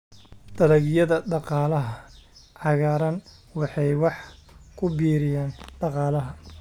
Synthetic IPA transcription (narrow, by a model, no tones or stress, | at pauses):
d̪̥ɐðɐɣjɐðɐɖɑqɑːlɐɦɐʕɑɣaːɾɐnwɑħɑjwɑħkʰʊbiːɾɪjaːnɖ̥ɑqɑːlɐɦɐ